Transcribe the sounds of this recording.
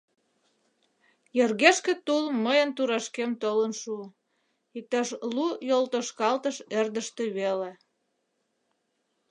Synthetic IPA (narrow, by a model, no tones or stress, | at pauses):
jerɣeʃkĕt̪ulməjənt̪uɾɑʃkemt̪olənʃu | it̪ɑʃlujolt̪oʃkɑlt̪əʃerd̪əʃt̪eβele